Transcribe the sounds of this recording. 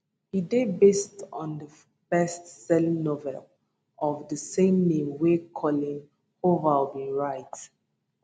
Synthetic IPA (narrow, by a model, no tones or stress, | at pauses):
hidebestɔ̃ndə | bɛstsɛlnovɛ̰l | ɔvdəsẽmnẽmwekʰɔlĩŋ | hovabĩnɹaɪt